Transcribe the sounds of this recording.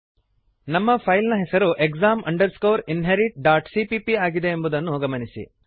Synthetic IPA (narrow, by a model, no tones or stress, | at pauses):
nɐmːɐpʰɐjlnɐɦɛsɐɾuʔekɡzaːmʔɐ̰ɳɖɐɾskoːɾinɦeɾiʈ̚ɖaːʈsipipiaːɡid̪e̞ːmbud̪ɐnːuɡɐmɐnisḭ